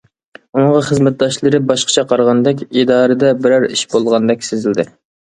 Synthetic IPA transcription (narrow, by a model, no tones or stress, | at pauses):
unəɴʁɑχəzmɛt̪̚d̪ɑʃlˠɨɾɨbɑʃqʰə̥t͡ʃʰɛqʰɑɾʁɑnd̪ɛkʲid̪ɑːɾɨd̪ɛbɪɾæɾiʃbolˠʁɑnd̪ɛkʲsɪzɪld̪ɪ